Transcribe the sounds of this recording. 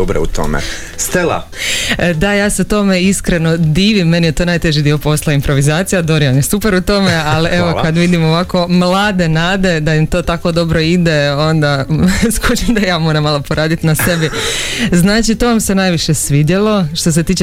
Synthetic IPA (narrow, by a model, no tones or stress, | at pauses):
obɾeut̪o̰mḛ | st̪ela̰ | d̪ajaːseut̪o̞me̞iskɾeno̞d̪iːʋimːe̞nijet̪o̞ːnajt̪e̞ʒid̪io̞po̞slˠaimpɾo̞ʋizaːt̪sijad̪o̞ɾijamjesupeɾut̪o̞mealiʔeʋokad̪ʋid̪imo̞ʋako̞mlˠaːd̪e̞naːd̪e̞d̪aimt̪o̞ːt̪ako̞d̪o̞bɾo̞id̪e̞o̞nd̪askut͡ʃemd̪ajaːmoɾamːalˠopoɾaːd̪it̪nase̞biznaːt͡ʃit̪o̞ʋamse̞najʋiʃe̞sʋid̪jelˠo̞ʃt̪o̞s̬e̞t̪iːt͡ʃ